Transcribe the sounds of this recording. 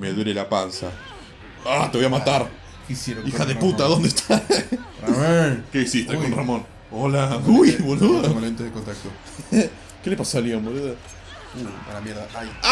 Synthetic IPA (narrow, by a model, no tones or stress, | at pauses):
meðweɾelapansa̰ | at̪eβojamat̪aɾ | kisjeɾixaðeput̪aðond̪est̪ʰa | ekeisist̪ekonramõn | olaujβonuðmaent̪eðekont̪ak̚t̪o | kelepasoaljomboluða | ualamjeɾðaaj